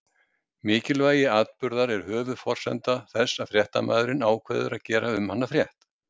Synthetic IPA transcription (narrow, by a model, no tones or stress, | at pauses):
mɪːcɪlvaːjɪaːt̪pʏɾðaɾɛɾ̥hœːvʏðfɔr̥sɛ̰nt̪aθɛsːaðfɾjɛht̪a̰maːðʏɾɪnaːwkʰvɛ̰ːðʏ̰ɾaðcɛːɾaʏmhan̪ːafɾjɛht̪